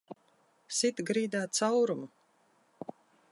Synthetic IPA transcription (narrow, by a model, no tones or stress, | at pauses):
sit̪ɡɾiːd̪aːt̪sawɾumu